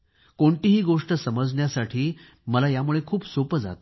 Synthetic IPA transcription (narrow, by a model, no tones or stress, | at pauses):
koɳt̪iɦiːɡoʂʈəsəməd͡zɳjasaʈʰiː | məlajamuɭekʰuːpsopəd͡za̰t̪